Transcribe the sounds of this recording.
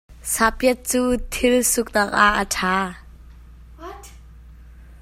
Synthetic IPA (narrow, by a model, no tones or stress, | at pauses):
sapiət̪̚t͡suːt̪ʰɪlsʊk̚naːk̚ʔaʔːətʰaː